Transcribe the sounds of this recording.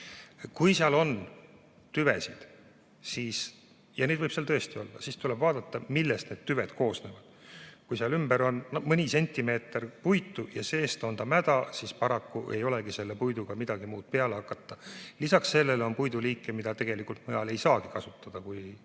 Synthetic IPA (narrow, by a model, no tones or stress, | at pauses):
kujseɑlo̞n | t̪yve̞̰sid̪̥ | siːs | jɑned̪vɤjb̥seɑlt̪ɤest̪io̞̰lːɑ̰siːst̪ule̞b̥vɑːd̪̥ɑt̪ːɑmilːest̪ne̞d̪̚t̪yve̞d̪̥kʰo̞ːsne̞ːvɑd̪̥kujseɑlymbeɾo̞nnmɤnʲise̞nʲt̪ˑːime̞ːt̪ːˑerpujt̪ːˑujɑse̞ːst̪o̞nd̪ɑmæd̪̥ɑsispɑɾɑkːuʔe̞jo̞leɡise̞lːe̞pujd̪uɡ̥ɑmid̪ɑɡ̥imuːd̪̥̚pe̞ɑleɑkːˑɑt̪ˑːɑlisɑksːe̞lːe̞lo̞npujd̪uliːkːˑemid̪̥ɑt̪eɡ̥e̞likult̪mɤjɑle̞jsɑːɡ̥ikɑsut̪ːɑd̪̥ɑkuj